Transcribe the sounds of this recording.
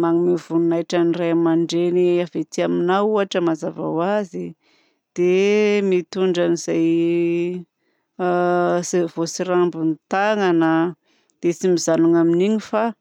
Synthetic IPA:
maŋimivununajʈ͡ʂanirajamaɳɖ͡ʐeniavet̪iaminawuaʈ͡ʂəmazava̰wazi | d̪̥emit̪uɳɖ͡ʐanizaj | svosiɾambunt̪aŋanə | d̪̥et͡simizanuŋaminiɲifa

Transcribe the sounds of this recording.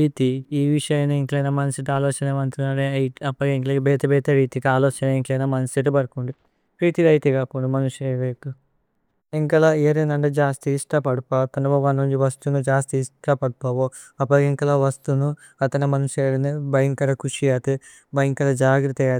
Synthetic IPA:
iːt̪iiːʋiʂɐjɐneiŋklɐjnaːmɐnɐsiʈaːlɔːt͡ʃɐnɐmɐnt̪unːaːɾeɐjɐpːɐkeŋklɐbɛːt̪ɐbɛːt̪ɐɾiːt̪ikaːloːt͡ʃɐnɐiŋʈlɐjnaːmɐnɐsiʈubɐɾkuɳɖi | pɾiːt̪iɾɐjt̪iɡaːpuɳɖumɐnuʂeʋet̪u | iŋkɐlaeːɾɐnɐɳɖed͡ʒaːst̪iːsʈapɐɽupat̪ɐnɐbɐʋɐnːuɲd͡ʒiʋɐst̪unud͡ʒaːst̪iːsʈɐpɐɽupaːʋo | ɐpːɐiŋkɐlaːʋɐst̪unu | ɐt̪ɐnɐmɐnuʂeːɽɐnibɐjɐŋkɐɾɐkuʂijaːt̪i | bɐjiŋkɐlɐd͡ʒaːɡɾɐt̪ɐjaː

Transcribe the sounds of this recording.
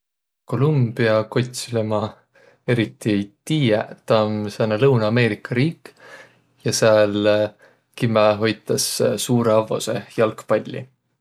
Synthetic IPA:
ko̞lumb̥iɑko̞t̪ʲslemɑ | e̞ɾit̪ːˑit̪iːet̪ɑmsɑnɑlɤwnɑːme̞ːɾikːˑɑɾiːk | jɑseɑl | kimeɦo̞jt̪ˑːɑssuːɾeɑvo̞̰se̞jɑlkpɑlʲːḭ

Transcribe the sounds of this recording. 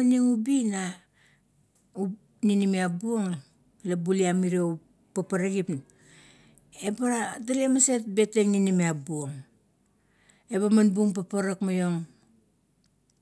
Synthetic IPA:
aniŋubina | u | ninimiabuoŋ | labuliamiɾou | papaɾaɡip | ebaɾataliamase̞t̚be̞teŋninimiabuoŋ | e̞βamanbuŋp̬apaɾakmajo̞ŋ

